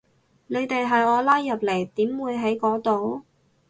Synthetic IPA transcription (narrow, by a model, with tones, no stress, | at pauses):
lɵ˨˧ɥt̪e˨jɦɐ˨jɔː˨˧laː˥jːɐ˨p̚le˨˩jt̪iː˨˥mwuː˨˧jɦɐ˨˥jkɔː˨˥t̪o˨˧w